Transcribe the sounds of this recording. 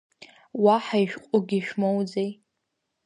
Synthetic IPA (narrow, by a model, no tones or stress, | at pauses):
waħaiʃᶣqʷʼʊɡʲiʃᶣmowd͡zej